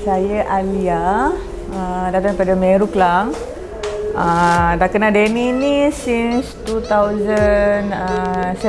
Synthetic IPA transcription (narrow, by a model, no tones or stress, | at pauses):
sajəʔalia | ədat̪aŋəpadamɛ̃ɾuklaŋ | ədakənadeninisinst̪ut̪awzənəsɛ